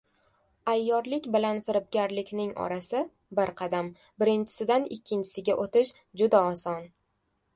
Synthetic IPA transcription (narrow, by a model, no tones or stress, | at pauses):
ajːɒɾlɪkʲbɪlanfɪɾɪp̚ɡʲaɾlɪkʲnɪŋɒ̰ɾasɪ | bɪɾqʰɑd̪am | bɪɾɪnt͡ʃʰɪ̥sɪd̪anɪkʲʰːɪnt͡ʃʰɪ̥sɪɡʲaʔot̪ʰɪʃ | d͡ʒʊd̪aɒsɒn